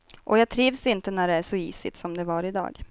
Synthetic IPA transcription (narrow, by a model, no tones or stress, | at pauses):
ʔɔjɑːɡ̚t̪ʰɾiːvsɪnt̪ənæɖɛæʂɔḭːsɪ̰t̪sɔmd̪ɛvɑɾɪd̪ɑ̰ːɡ